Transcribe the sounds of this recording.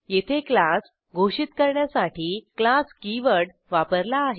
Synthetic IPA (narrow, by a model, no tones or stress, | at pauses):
jet̪ʰeklas | ɡʱoɕit̪kəɾɳjasaʈiːklaskiʋəɽ | ʋapəɾlaːɦe